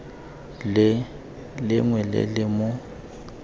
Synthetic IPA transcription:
l | lɪŋwɛlɪ̰lɪmʊ

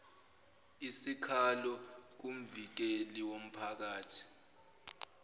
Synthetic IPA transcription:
isikʰalɔk̬um̩vik̬eliwom̩pʰak̬aːtʰi̥

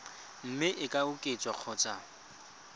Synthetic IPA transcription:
m̩mɪʔɪkʼaʊkʼɪt͡sʼwaq͡χʰɔːt͡sʼa

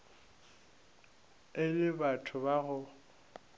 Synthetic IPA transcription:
ɪlɪbatʰʊbaɣʊ

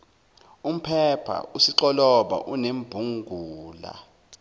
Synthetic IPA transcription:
um̩pʰɛpʰa̰usiǁɔlɔɓa̰ʔunembʱuŋɡʱuːla̰

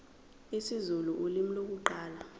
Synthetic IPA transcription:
isizuluʔulimilok̬uǃaːla

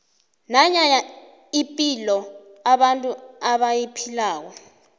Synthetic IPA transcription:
naɲaɲa | ipʼilɔaɓantʼuaɓajipʰilaːk̬ɔ

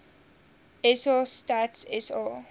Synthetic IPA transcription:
ɛsɔstatsɛsɔ

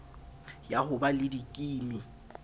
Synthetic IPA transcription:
jahʊbalɪdikʼiːmɪ

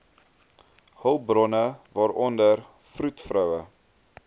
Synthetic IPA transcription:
hœlˠbrɔnəvɑːɾɔndər | frutfrœwə

